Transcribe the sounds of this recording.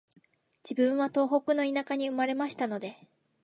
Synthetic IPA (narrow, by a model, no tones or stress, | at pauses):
d͡ʑ̥ibɯ̟̃ɰ̃βat̪o̞ːɦo̞kɯ̟no̞inakaɲ̟iɯ̟maɾe̞maɕi̥t̪ano̞d̪e̞